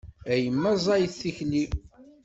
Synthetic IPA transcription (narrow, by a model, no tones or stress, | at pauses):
æjəmːæzˤɑjθːiçni